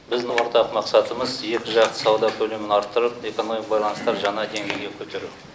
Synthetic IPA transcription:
bɪzd̪ɪwo̞ɾt̪ɑqmɑqsɑt̪əməzje̞kʲɪʒɑqt̪ə̥sɑwd̪ɑkʲʰɵle̞mɪnɑɾt̪ːəɾəp̚e̞ko̞no̞miq̚bɑjlˠɑnəst̪ɑɾʒɑɴɑd̪e̞ŋɡʲe̞jɡʲekʲʰɵt̪e̞ɾu

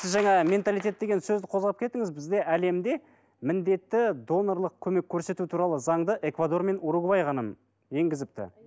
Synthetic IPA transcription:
ɪzʒæŋɑmʲe̞nt̪alˠijt̪ʲe̞t̪̚d̪e̞ɡʲe̞nsɵzd̪ɪqʰo̞zʁɑp̚kʲʰe̞t̪ɪŋɪzbɪzd̪e̞ʔæle̞md̪e̞ | mɪnd̪e̞t̪ːɪd̪o̞noɾlˠəq̚kʲʰɵme̞kʲʰːɵɾse̞t̪ut̪ʰuɾɑlˠəzɑɴd̪əʔe̞kvad̪o̞rme̞nuɾuɡbɑjχɑnəm | je̞ŋɡʲɪzɪp̚t̪ɪ̰

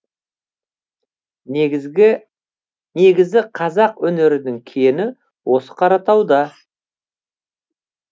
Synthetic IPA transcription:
ne̞ɡʲɪzɪqʰɑzɑqwɵne̞ɾɪd̪ɪŋkʲʰenɪ | wʔo̞sə̥qʰɑɾɑt̪ɑwd̪ɑ

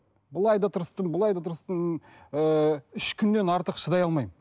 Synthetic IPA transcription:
bəlˠɑjd̪ɑt̪ʰʊɾəst̪əmbəlˠɑjd̪ɑt̪ʰəɾəst̪ən | əʏʃkʲʰʏnd̪e̞nɑɾt̪əqʃəd̪ɑjɑlˠmɑjmə

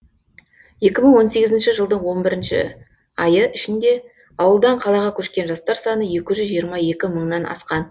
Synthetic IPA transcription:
je̞kʲɪməɴwo̞nse̞ɡʲɪzɪnʃɪʒəlˠd̪əɴwo̞nbɪɾɪnʃɪ̰ | ɑjəʔɪʃɪnd̪e̞ | ɑwəlˠd̪ɑɴqʰɑlˠɑʁɑkʲʰɵʃkʲe̞nʒɑst̪ɑɾsɑnəje̞kʲɪʒʏzʒijəɾmɑje̞kʲɪməɴnɑnɑ̰sqɑn

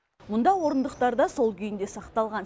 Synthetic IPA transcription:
mʊnd̪ɑwo̞ɾənd̪əqt̪ɑɾd̪ɑso̞lˠkʲʰʏjɪnd̪e̞sɑqt̪ɑlˠʁɑn

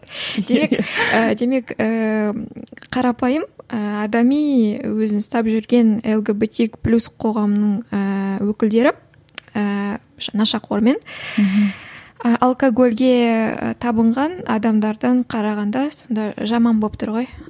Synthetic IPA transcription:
d̪e̞me̞kəd̪e̞me̞kə | qʰɑɾɑpɑjəməɑd̪ɑmijwɵzɪnst̪ɑpʒʏɾɡʲe̞nelˠɡebet̪ʲikplʲusqʰo̞ʁɑmənəɴəwɵkʲɪld̪e̞ɾɪ | ə | nɑʃɑqʰoɾme̞n | əʔɑlˠkoɡo̞lʲɡʲe̞ə̰t̪ʰɑbəɴʁɑnɑ̰d̪ɑmd̪ɑɾd̪ɑɴqʰɑɾɑʁɑnd̪ɑso̞nd̪ɑʒɑmɑnbop̚t̪ʰʊɾʁo̞j

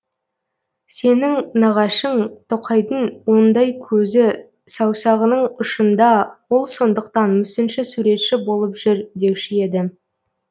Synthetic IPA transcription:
se̞nɪŋnɑʁɑʃəɴt̪ʰoqʰɑjd̪əɴwo̞nd̪ɑjkʲʰɵzɪ | sɑwsɑʁənəɴʊʃənd̪ɑwo̞lˠso̞nd̪əqt̪ɑnmʏsɪnʃɪsuɾe̞t̪ʃɪbo̞lˠəpʒ̥ʏɾd̪e̞wʃɪjed̪ɪ

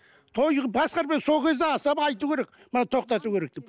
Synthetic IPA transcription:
t̪ʰo̞jʁbɑsqɑɾpenso̞lˠkʲʰe̞zd̪eɑsɑpɑjt̪ukʲe̞ɾek | mənɑt̪ʰo̞q̚t̪ɑt̪ukʰʲe̞ɾe̞k̚d̪e̞p

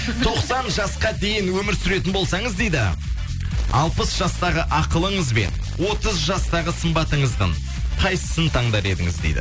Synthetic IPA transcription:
t̪ʰo̞qsɑnʒɑsqɑd̪e̞jɪnwɵmɪɾsʏɾe̞t̪ɪnbolˠsɑɴəzd̪e̞jd̪ɪ̰ | ɑ̰lˠpəsʒ̥ɑst̪ɑʁəʔɑqəlˠəɴəzbe̞̰n | wo̞t̪əzʒɑst̪ɑʁəsəmbɑt̪əɴəzd̪ə̰ɴ | qʰɑjsə̥sənt̪ʰɑɴd̪ɑɾe̞d̪ɪ̰ŋɪzd̪ejd̪ɪ̰

